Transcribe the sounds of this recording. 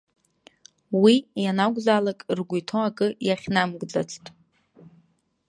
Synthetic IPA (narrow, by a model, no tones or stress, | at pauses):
wijanaɡʷʼzaːlakʼrɡʷujtʰoakʼɨjaχʲnamɡd͡za̰t͡sʰtʼ